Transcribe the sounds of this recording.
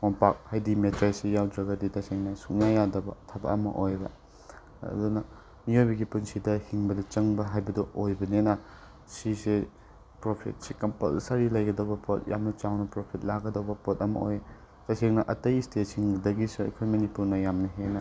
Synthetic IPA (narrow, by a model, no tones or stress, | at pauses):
mopak̚hajdimetɾesijawdɾɐɡɐditɐseŋnɐsuk̚najadɐbɐtʰabɐ̰ɐmɐ̰ʔojbɐ̰ | dunɐ | miojbɐɡipunsidɐhiŋbɐdɐt͡ʃɐŋbɐɦajbɐdɐʔojbɐnenɐ | sise | pɾopʰḭt̚sikɐmpɐ̰lsɐɾilɐjɡɐdɐwbɐpot̚jʔa̰mnɐt͡ʃawnɐpɾopʰit̚laɡɐdɐwbɐpot̚ɐmɐ̰oj | tɐseŋnɐʔɐtɐjstesiŋdɐɡisɐ̰kʰɐjmɐnipuɾnɐjamnɐɦenɐ